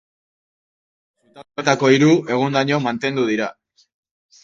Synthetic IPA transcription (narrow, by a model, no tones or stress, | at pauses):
sut̪aat̪ako̞iɾue̞ɣ̞ond̪aɲo̞mant̪e̞nd̪uð̞iɾa